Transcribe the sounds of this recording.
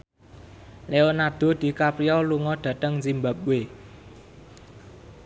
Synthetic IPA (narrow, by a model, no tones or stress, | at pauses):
leonad̪̥o̤d̪̥i̤kapɾiɔluŋɔɖ̪̥ä̤t̪əŋzimbap̚we